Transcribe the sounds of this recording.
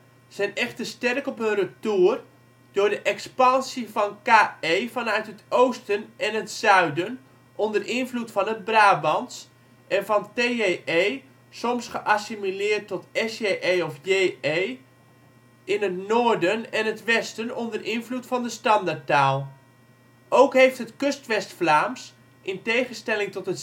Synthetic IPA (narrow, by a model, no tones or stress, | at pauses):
z̥ɛjnɛxtəstɛrkɔpənrətuər | d̥ʊːdəʔɛkspɑnsifɔnkaːejfɔnœɥtɦətʰowstənʔɛnətsœɥdən | ʔɔndərɪnvlutfɔnət̚braːbɑns | ʔɛnfɑnteeʔej | sɔmsχəʔasimilɪːrtːɔtɛseʔejɔfjeej | ʔɪnətnʊːɹdənɛnətʋɛstənɔndərɪnvlutfɑndəstɑndaɹtaːlˠ | ʔowkɦejftɦətkɵstʋɛstflaːms | ʔɪntejχənstɛlɪŋtɔtɦət